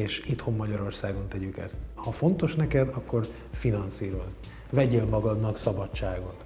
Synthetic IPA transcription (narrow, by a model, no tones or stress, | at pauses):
eːʃit̪homːɒɟɒɾo̞rsaːɡo̞nt̪ɛɟykɛ̰st̪hɒfo̞nt̪o̞ʃnɛkɛd̪ɒkːo̞r | finɒnsiːɾo̞z | vɛɟeːlmɒɡɒd̪nɒksɒbɒt͡ʃt͡ʃːaːɡo̞t̪